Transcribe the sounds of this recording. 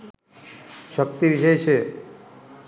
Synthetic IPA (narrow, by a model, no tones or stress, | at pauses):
ʃək̚t̪ibiʃəjt͡ɕʰe